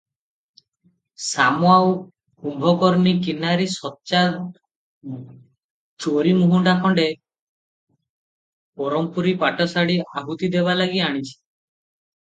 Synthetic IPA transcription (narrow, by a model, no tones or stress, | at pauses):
samoaw | humbʱɔkɔɾnikinaɾisɔtːt͡ʃa | t͡ʃoɾimuɦuɳɖakʰɔɳɖe | pɔɾɔmpuɾipaʈɔsaɽiaɦut̪id̪eβalaɡiaɽ̃it͡ʃʰi̥